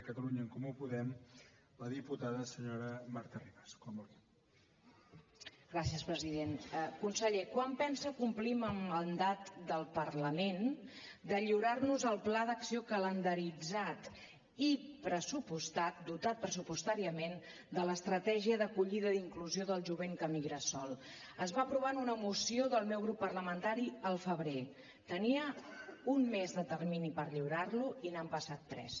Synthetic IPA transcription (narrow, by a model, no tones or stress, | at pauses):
kət̪əluɲəːŋkumupuðɛm | ləðiput̪aðəsəɲoɾəmaɾt̪əriβaskwambulɣi | ɡɾasijəspɾəziðenkunsəʎekwampɛnsəkumpliməmːənd̪at̪d̪əlˠpərləmend̪əʎiwɾarnuzəlˠplaðəksiokələnd̪əɾid͡zat̪ | ipɾəsupust̪at̪̚d̪ut̪at̪̚pɾəsupust̪aɾiəmen | d̪ələst̪ɾət̪ɛʒiəðəkuʎiðəd̪iŋkluzioðəlˠʒuβ̞eŋkəmiɣɾəsɔlˠ | əzβapɾuβanunəmusioðəlˠmɛwɣɾupːərləmənt̪aɾiəlˠfəβɾe | t̪əniəunmezðət̪ərminipəɾʎiwɾarluinampəsat̪ːɾɛ̰s